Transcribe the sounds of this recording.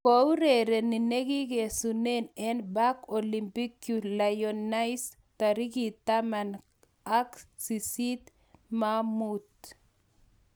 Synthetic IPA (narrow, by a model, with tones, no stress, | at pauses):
ko˨u˦ɾe˨ɾe˨ni˨ne˦ɡi˦ɡe˨sune˦nɛ˦nba˦koli˨mpi˦kju˨lajona˦js | t̪a˨ɾi˦ɡi˨t̪ama˨n | a˦ksisi˦t̪ | mamut̪